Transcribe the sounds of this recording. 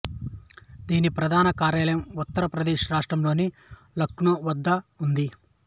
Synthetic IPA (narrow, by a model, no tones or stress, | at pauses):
d̪iːnipɾɐd̪ʱaːnɐkaːɾjaːlɐjɐmut̪ːɐɾɐpɾɐd̪eːʃɐɾaːʂʈrɐmlo̞ːni | lɐkːnuʋɐd̪ːɐund̪i